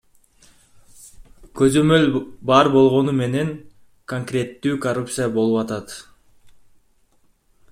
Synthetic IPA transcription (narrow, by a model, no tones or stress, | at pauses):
kø̞zø̞mø̞lʲbɑɾbo̞lˠʁo̞nume̞ne̞ŋ | koŋkrʲe̞t̪ːyːkɐrupt̪sɨjabo̞lˠupɑt̪ɑt̪